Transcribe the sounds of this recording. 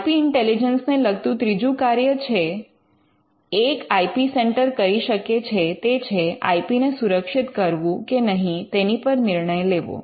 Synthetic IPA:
piɪɳʈelid͡ʒənsneləɡ̚t̪ũt̪ɾid͡ʒũkaɾjət͡ʃʰe | kaipiseɳʈəɾkəɾiʃəket͡ʃʰet̪et͡ʃʰea̰ipinesuɾəkʃɪt̪kəɾʋũkenəɦĩt̪enipəɾnɪɾɳəjleʋo̰

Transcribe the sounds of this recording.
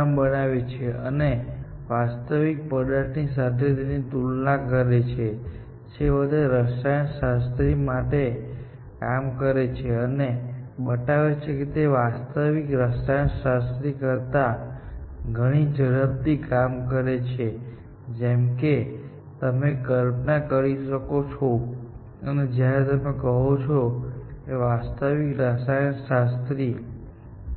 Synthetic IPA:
ambənaʋet͡ʃʰeʔəne | ʋast̪əʋik̚pəd̪əʈnisat̪ʰet̪enit̪ulnãkəɾet͡ʃʰe | t͡ʃeʋəd̪eɾəsajəɳʃast̪ɾimaʈe | kamkəɾet͡ʃʰeənebəʈaʋet͡ʃʰeket̪eʋast̪əʋikɾəsajəɳʃast̪ɾikəɾt̪a | ɡʱəɽ̃id͡ʒəɽəb̚t̪ikamkəɾet͡ʃʰe | d͡ʒemke | t̪əmekəɾpnakəɾiʃəkot͡ʃʰo | əned͡ʒjaɾet̪əmekəɦot͡ʃʰokeʋast̪əʋikɾəsajənʃast̪ɾi

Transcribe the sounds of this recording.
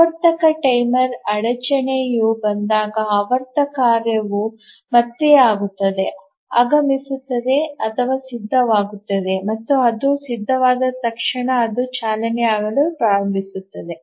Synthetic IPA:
ɐɾt̪ɐkɐʈɐjmɐɾɐɽɐt͡ʃɐɳejubɐnd̪aːɡɐɐʋɐɾt̪ɐkaːɾjɐʋu | mɐt̪ːeaːɡut̪ːɐd̪e̞ | aːɡɐmisut̪ːɐd̪e̞ɐt̪ʰɐʋaːsid̪ʱːɐʋaːɡut̪ːɐd̪e̞mɐt̪ːuɐd̪usid̪ʱːɐʋaːd̪ɐt̪ɐkʂɐɳɐːd̪ut͡ʃaːlɐniaːɡɐɭupɾaːɾɐmbʱisut̪ːɐd̪e̞

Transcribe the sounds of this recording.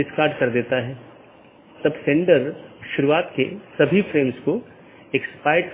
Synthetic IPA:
ɪskaːɾɖkɐɾd̪eːt̪aɦɛː | t̪ɐbsẽɳɖəɾʃʊɾuaːt̪kḛsɐbʱifɾeːmsko | ekspaːɪʈ

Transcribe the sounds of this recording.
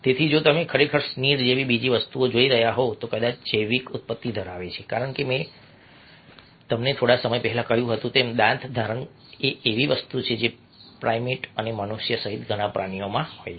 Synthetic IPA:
t̪et̪ʰid͡ʒot̪əmekʰəɾekʰəɾsniɾd͡ʒeʋibid͡ʒiʋəst̪uod͡ʒoiɾəɦjaɦot̪okəd̪at͡ʃʰd͡ʒəjʋikʊt̪̚pət̪ːid̪ʱəɾaʋet͡ʃʰekaɾəɳkemɛ̃ | t̪əmnet̪ʰoɽasəməjpɛɦɛlãkəɦjũɦət̪ũt̪emd̪ãnt̪ʰd̪ʱaɾəɳ | eːʋiʋəst̪ut͡ʃʰed͡ʒe | pɾajmiʈənemənuʃjəsəɦit̪ɡʱəɽ̃apɾaɳijomãɦo̰j

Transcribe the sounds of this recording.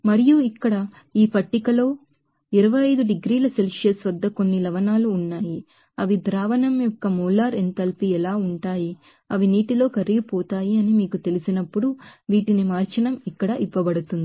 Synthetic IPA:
mɐɾijuikːɐɽɐ | iːpɐʈːikɐlo̞ː | iɾɐʋɐjɐjd̪uɖiɡɾiːlɐselʂeːsʋɐd̪ːɐko̞nːilɐʋɐnaːluːnːaːji | ɐʋid̪ɾaːʋɐnɐmjɔkːɐmuːlaːɾent̪ɐlpiɛlaːuɳʈaːji | ɐʋiniːʈilo̞ːkɐɾiɡipɔːt̪aːjiɐnimiːkut̪e̞lisinɐpːuɽuʋiːʈinimaːɾt͡ʃɐnɐmikːɐɽɐʔiʋːɐbɐɽut̪und̪i

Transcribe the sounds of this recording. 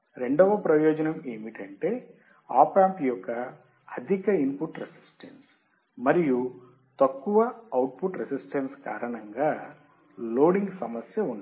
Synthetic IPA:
ɾe̞ɳɖɔʋɐpɾɐjɔːd͡ʒɐnɐme̞ːmiʈɐɳʈe̞ː | a̰ːpaːmpjɔkːɐː | d̪ʱikɐimpuʈɾesi̥sʈɐns | mɐɾiju | t̪ɐkːuʋɐɐwʈ̚puʈɾesisʈɐnska̰ːɾɐɳɐŋɡaː | loːɽiŋɡsɐmɐsjɐund̪

